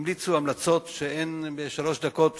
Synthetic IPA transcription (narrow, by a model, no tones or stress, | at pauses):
mlit͡suamlat͡so̞t̪ʃeenbeʃalo̞ʃd̪ako̞t̪